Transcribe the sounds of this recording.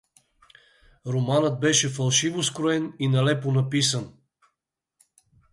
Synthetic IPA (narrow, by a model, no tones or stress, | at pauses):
ɾomanɤt̪̚bɛʃɛfɐlˠʃivoskɾoɛninɐlɛponɐpisən